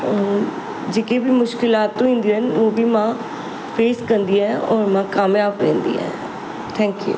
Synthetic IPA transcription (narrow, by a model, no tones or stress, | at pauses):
d͡ʒeːkeːbiːmʊʃkɪlaːt̪ːõːɦĩːnd̪iːɦənoːbiːmãː | pʰeːskəɾnd̪iːɛːɔːɾmãːkaːmjaːbɾẽːnd̪ḭːɛ̰ː | t̪ʰɛ̃ːŋkjṵː